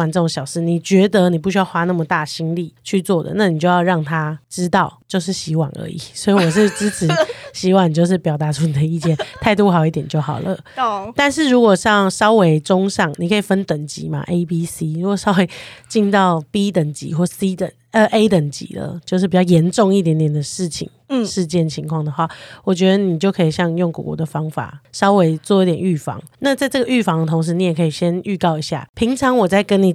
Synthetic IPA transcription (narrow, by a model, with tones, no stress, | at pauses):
a˨˩nʈ͡ʂɤ˥˩ʈ͡ʂʊ˨˧˥ŋɕjɑ˨˩ʊʂɻ̩˥˩ni˨˩t͡ɕɥɛ˧˥d̪ə˧˦ni˨˩p̬u˥˩ɕy˥jɑ˥˧ʊxwa˥na˥˩mə˩t̪a˥˩ɕi˥nli˥˨˩t͡ɕʰy˥˧t͡swɔ˥˩d̪ə̰˩na˥˩ni˨˩t͡ɕjo˥˧ʊjɑ˥˧ʊɻɑ˥˩ŋt̪ʰa˥ʈ͡ʂɻ̩˥t̪ɑ˥˧ʊt͡ɕjo˥˧ʊʂ̬ɻ̩˥˩ɕi˧˥wa̰˨˩˦ŋə̰˧˦˥ḭ˨˩swɔ˧˥i˧˨wɔ˨˩ʂ̬ɻ̩˥˩ʈ͡ʂɻ̩˥ʈ͡ʂ̩ʰ˧˥ɕi˧˥wa˨˩n˩t͡ɕjo˥˧ʊʂ̬ɻ̩˥˩pjɑ˨˩ʊt̪a˨˧˥ʈ͡ʂʰu˥ni˨˩d̪ə˩i˥˧t͡ɕjɛ˥˨nt̪ʰa˥˧ɪt̪u˥˧xɑ˨˩ʊi˥˩t̪jɛ˨˩nt͡ɕjo˥˩ʊxɑ˨˩ʊlə̰˦ | t̪a˥˧nʂ̬ɻ̩˥˩ɻu˧˦˥kwɔ˨˩ɕjɑ˥˩ŋʂɑ˥ʊwe˧˥ɪʈ͡ʂʊ˥ŋʂɑ˥˩ŋni˨kʰə˧˥i˨˩fə˦nt̪ə˨˩ŋt͡ɕḭ˨˦ma̰˦ʔe˥ɪpi˦si˦ɻu˦˥kwɔ˨˩ʂɑ˥ʊwe˧˦ɪt͡ɕi˥˧nt̪ɑ˥˩ʊpi˥t̪ə˨˩ŋt͡ɕḭ˨˦xwɔ˥˩si˦˥t̪ə̰˨˩ŋə˧ʔe˥ɪt̪ə˨˩ŋt͡ɕḭ˨˦d̪ə̰˨t͡ɕjo˥˧ʊʂ̬̩˥˩pi˨t͡ɕjɑ˥˩ʊjɛ˧˦˥nʈ͡ʂʊ˥˧ŋi˥˩t̪jɛ˧˥nt̪jɛ˨˩nd̪ə˩ʂɻ̩˥˩t͡ɕʰḭ˨˩ŋʂɻ̩˥˧t͡ɕjɛ˥˩nt͡ɕʰi˧˥ŋkʰwɑ˥˩ŋd̪ə˩xwa˥˩wɔ˨˩t͡ɕɥɛ˧˦˥d̪ə˧ni˨˩t͡ɕjo˥˩ʊkʰɤ˧˥i˨˩ɕjɑ˥˧ŋjo˥˩ŋkṵ˨˩kwɔ̰˧˥˦d̪ə˨fɑ˥ŋfa̰˨˩ʂɑ˥ʊwe˧˥ɪt͡swɔ˥˩˧i˥t̪jɛ˨˩ny˥˩fɑ̰˧˦ŋna˥˧t͡sa˥˧ɪʈ͡ʂɤ˥˩ɡə˩y˥˩fɑ˧˥ŋd̪ə˧t̪ʰʊ˧˥ŋʂ̬ɻ̩˧˦ni˧˥jɛ˨˩kʰə˧˥i˨˩ɕjɛ˦˥ny˥˧kɑ˥˩ʊi˧˥ɕja̰˥˩pʰi˧˥ŋʈ͡ʂʰɑ˧˦ŋwɔ˨˩t͡sa˥˩ɪkə˦˥ni˨˩